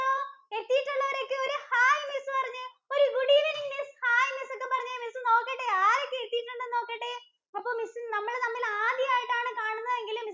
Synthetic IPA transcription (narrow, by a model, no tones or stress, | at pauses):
oeɾt̪ːijiʈːuɭːɐʋɐɾo̞kːeoɾuhaːjmisɨpɐrɐɲːɨ | o̞ɾuɡuɽiʋɐniŋmishaːjmisokːepɐrɐɲːɨmisɨno̞ːkːeʈːeaːɾokːeeɾt̪ːijiʈːuɳɖɨno̞ːkːɐʈːe | ɐpːo̞ːmisɨnɐmːɐɭnɐmːilaːd̪jɐaːjiʈːaːɳɨkaːɳunːɐðeŋɡilɨmis